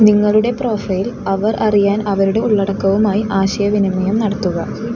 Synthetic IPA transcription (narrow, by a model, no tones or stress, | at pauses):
niŋːɐɭuɽe̞pro̞ːfɐjilɐʋɐrʔɐrijaːnɐʋɐɾuɽe̞uɭːɐɽɐkːɐʋumaːjiʔaːɕɐjɐʋinɐmɐjɐmnɐɽɐt̪ːuɣɐ